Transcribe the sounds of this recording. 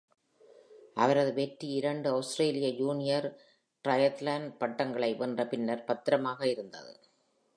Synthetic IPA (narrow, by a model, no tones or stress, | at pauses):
ʔɐʋɐɾɐðɯʋeʈːiɪɾɐɳɖɯɐʊsʈɾeːlɪjɐjuːnɪjɐɾ | ʈɾɐjɐt̪laːnɖpɐʈːɐŋɡɐɭɐɪʋʔɐndrɐpɪnːɐɾpɐt̪ːɪɾɐmaːɣɐɪɾɯnd̪ɐ̰ðɯ̰